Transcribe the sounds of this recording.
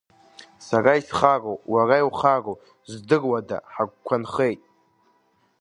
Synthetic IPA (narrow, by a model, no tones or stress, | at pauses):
saraisχarowʼwaraiwχarow | zdɨrwada̰ħaɡʷkʷʰanχejtʼ